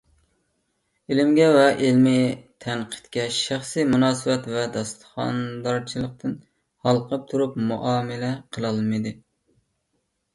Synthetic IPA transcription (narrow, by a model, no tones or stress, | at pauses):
elɪmɡʲɛvɛʔelmit̪ʰænqʰə̥t̪kʲɛʃæχsɨjmunɑːsɨbɛt̪vɛd̪ɑst̪ʰə̥χɑ̰nd̪ɑɾt͡ʃʰilˠəq̚t̪ʰɨn | hɑlˠqʰəp̚t̪ʰuɾupmuʔɑːmɪlɛqʰəlˠɑlˠmɨd̪ɨ